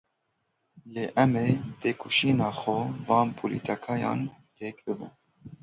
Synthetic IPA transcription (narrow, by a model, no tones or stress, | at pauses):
leːʔɛmet̪ʰeːkʰuʃiːnɑːxovɑːnpʰolḭt̪ʰɑkʰɑːjɑ̰ːnt̪ʰeːkbɨbɨ̰n